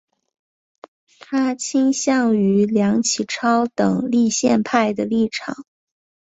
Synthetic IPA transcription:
t̪ʰa˥t͡ɕʰi˥ŋɕjɑ˥˩ŋy˧˥ljɑ˧˥ŋt͡ɕʰi˨˩ʈ͡ʂʰɑ˥ʊt̪ɤ˨˩ŋli˥˧ɕjɛ˥˧npʰa˥˩ɪd̪ə˩li˥˩ʈ͡ʂʰɑ˨˩˦ŋ

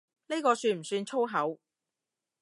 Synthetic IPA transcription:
ne˥kɔː˧syː˧nm̩˨˩syː˧nt͡ʃʰo˥wɦɐ˨˥w

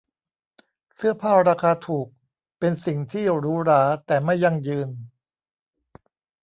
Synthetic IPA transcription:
sɯ˥˩ɐpʰaː˥˩p̚ɾaː˧kʰaː˧t̪ʰuː˨˩k̚ | pe˧nsi˨˩ŋt̪ʰiː˥˩ɾuː˦˥ɾaː˩˦t̪ɛː˨˩ma˥˩jːa˧˩ŋjɯː˧n

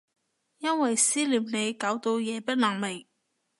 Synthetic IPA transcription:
jɐ˥nwɐ˨jsiː˥liː˨˩mne˨˧jkaː˨˥wt̪o˧wjɛː˨˧pɐ˥t̚naː˨˩ŋme˨˩j

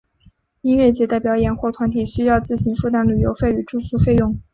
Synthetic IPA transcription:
i˥nɥɛ˥˩t͡ɕjɛ˧˥t̪a˥˩ɪpjɑ˧˥ʊjɛ˨˩nxwɔ˥˩t̪ʰwa˧˥nt̪ʰi˨˩ɕy˥jɑ˥˧ʊt͡sɹ̩˥˩ɕi˧˥ŋfu˥˩t̪a˥nly˨˩jo˧˥ʊfe˥˩y˨˩ʈ͡ʂu˥˩su˥fe˥˧ɪjʊ˥˩ŋ

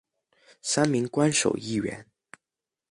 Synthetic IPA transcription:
sa˥nmi˧˥ŋkwa˥nʂo̰˨˩ʊi˥˩ɥɛ̰˧˥˦n

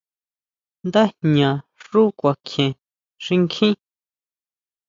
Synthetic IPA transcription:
nd̪a˦hɲã˨ʂu˦kʷa˨kʰjẽ˨ | ʂi˧ŋkʰĩ˦

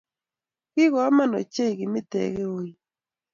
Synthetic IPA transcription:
kɪ˦ɣɔ˨˦ma˦˨nɔ̰˨t͡ʃe˦i˨ɣɪ˨mɪ˦tɛ̰˨ɣe˦o˨i˦

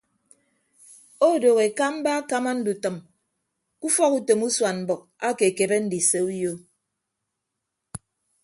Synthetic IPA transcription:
o˦˨do˨ɣe˨ka˦m̩˦ba˦ka˦ma˦n̩˦du˨tɨ˨m | ku˦fɔ˦ku˦to˨mu˦swa˨nm̩˨bɔ˨k̚a˦ke˨ke˨be˦n̩˦di˨se˨u˦jo˦

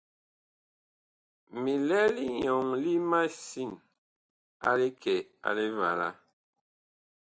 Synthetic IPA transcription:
mi˨lɛ˦li˦ɲɔ˨ŋli˦ma˦si˦˨n | a̰˦le˦kɛ˨a̰˨le˦va̰˨la̰˦

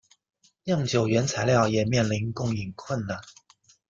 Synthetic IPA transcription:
jɑ˥˩ŋt͡ɕjo˨˩ʊɥɛ˧˥nt͡sʰa˧˥ɪljɑ˥˩ʊjɛ˨˩mjɛ˥˩nli˧˥nkʊ˥˩ŋi˨˩ŋkʰwə˥˨nd̪ə˨˩

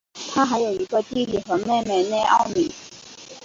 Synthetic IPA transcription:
t̪ʰa˥xa˧˥ɪjo˨˩ʊi˧˥ɡə˧t̪i˥li˨˩xɤ˧˥me˥˧ɪme˥˧ɪne˥˧ɪʔɑ˥˧ʊmi˨˩˦

